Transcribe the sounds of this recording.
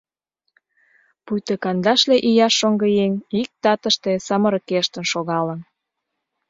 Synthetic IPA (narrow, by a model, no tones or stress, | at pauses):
pujt̪əkɑnd̪ɑʃleʔijɑʃːoŋɡɤ̆jeŋik̚t̪ɑt̪ə̆ʃt̪esɑmɤ̆ɾɤ̆keʃt̪ə̆nʃoɣɑlə̆n